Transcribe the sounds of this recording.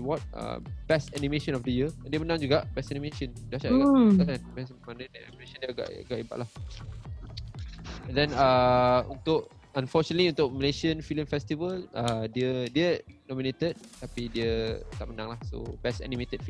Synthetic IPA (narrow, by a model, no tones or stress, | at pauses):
wɔt̚ə̰b̥ɛstɛnĩmeʃə̃nɔfdəjədiəmənãŋd͡ʒuɡaʔbɛsɛnĩmeʃə̃ndiaʃakadanmɛsmanədaa̰mimeʃə̃ndiəɡa̰ʔa̰ɡaʔiba̰ʔlah | ɛndɛ̃naunt̪ʊʔ | ãnfɔt͡ʃənətliunt̪ʊʔ̚məleʃiə̃nfilə̃mfɛst̪ivəladiədiənɔ̃mĩnet̪əd̪̚t̪apidiət̪aʔmənãŋlahso̰bɛstɛ̰nĩmet̪əd̥̚fi